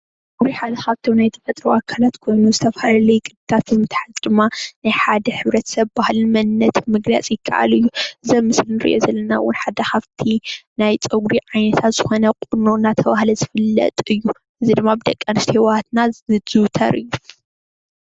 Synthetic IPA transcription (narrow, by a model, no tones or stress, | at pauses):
t͡sʼɡɾiħad̪ɐxaβt̪ʰiwnajt̪ʰɐfɐt̪ʼɾuʔakʰalat̪kʰo̞jnuzɨt̪ʰɐfhalɐlɐjkʼɨd̪ɨt̪ʰat̪̚bɨmɨt̪ʰħazʼd̪ɨmːanajħad̪ɐħɨβɾɐt̪ʰɐ̥sɐβbahlɨnmɐnnːɐt̪mɨɡla̰t͡sʼjɪkʰːɐ̰ʔa̰lɨjːuʔɨzɐmɨslnɨɾɨ̰ʔjo̰zɐlːɐnawːʊnħad̪ɐxaβt̪ʰinajt͡sʼɐɡɾiʕajnɐt̪ʰat̪z̥ɨxo̞nɐkʼununat̪ʰɐβahlɐzɨfɨlːɐ̰t̪ʼɨjːu | ʔɨzid̪ɨmːabɨd̪ɐkʼːɐnɨst̪ihiwat̪naz̥ɨwt̪ʰɐ̰ɾɨjːu